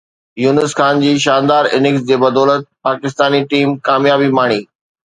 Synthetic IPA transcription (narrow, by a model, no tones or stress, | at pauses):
juːnɪsxaːnd͡ʑiːʃaːnd̪aːɾɪnɪks̬d͡ʑeːbɐd̪ɔːlət̪̚paːkɪst̪aːniʈiːmkaːmjaːbimaːɽ̃iː